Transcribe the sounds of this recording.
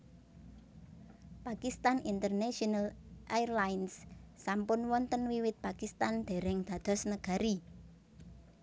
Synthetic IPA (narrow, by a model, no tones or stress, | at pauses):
pakist̪anint̪ərnaʃɔnalʔajrlajnsːampʊnwɔnt̪ənwiwɪt̪̚pakist̪and̪̥e̤ɾɛŋd̪̥ä̤d̪̥ɔ̤snəɡ̥a̤ɾi